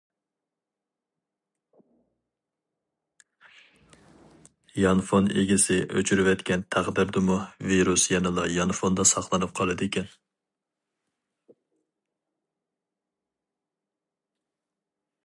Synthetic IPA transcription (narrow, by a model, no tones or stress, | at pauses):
jɑnfonḛɡʲisɪʔøt͡ʃʰyɾywɛt̪kʲʰɛnt̪ʰæʁd̪ɪɾd̪ɨmuviɾusjɛnɨlˠɑjɑnfond̪ɑsɑχlˠɨnɨp̚qʰɑlˠɨd̪ɪkʲʰɛn